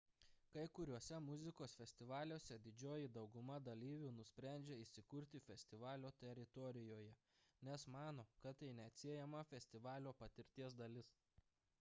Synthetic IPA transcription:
kɐɪkʊɾʲuɔsʲɛmʊzʲɪkoːsfʲɛsʲt̪ʲɪʋɑːlʲuɔsʲɛd̪ʲɪd͡ʒʲoːjɪd̪ɒʊɡʊmɐd̪ɐlʲiːʋʲuːnʊsʲpʲɾʲæˑnʲd͡ʒʲeːɪʃsʲɪkʊɾʲt̪ʲɪfʲɛsʲt̪ʲɪʋɑːlʲoːt̪ʲɛɾʲɪt̪ɔɾʲɪjoːjɛ | nʲɛsmɑːnoːkɐt̪ːɐɪnʲɛɐt̪ʲsʲiɛjɛmɐfʲɛsʲt̪ʲɪʋɑːlʲoːpɐt̪ʲɪɾʲt̪ʲiɛsd̪ɐlʲɪs

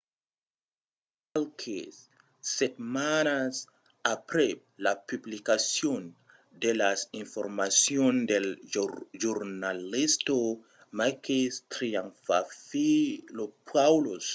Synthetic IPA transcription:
alkʰes | setmanas | apɾe | lapublikasion | delasinfoɾmasiondelʒuɾnalisto | makistɾianfafilopʰawlos

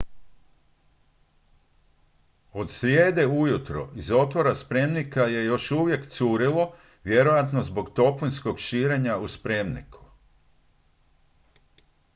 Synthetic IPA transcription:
o̞d̪sɾjeːd̪e̞ujut̪ɾo̞̰izo̞t̪ʋoɾaspɾe̞mnikaje̞jo̞ʃuːʋje̞kt̪suːɾilo̞ | ʋje̞ɾo̞jat̪nozbo̞ɡt̪o̞plunʲsko̞ɡʃiːɾe̞ɲauspɾe̞mnḭkʰu̥

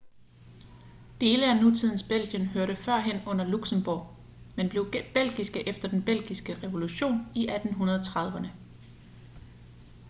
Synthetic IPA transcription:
d̥e̝ːləænut͡sʰið̞̰ˠn̩sb̥el̰ɡ̥jənɦøɐɾəfɶɐ̰ɦen̰ɔ̽n̰ɐluɡ̥səmb̥ɒ̰̥ː | menb̥le̝ʊb̥el̰ɡ̥isɡ̥əʔefd̥ɐd̥enb̥el̰ɡ̥isɡ̥əʁɛʋo̝luɕo̝̰ːniʔæd̥n̩ɦunɐðˠɒt͡sʰʁɑ̈ðˠʋənə

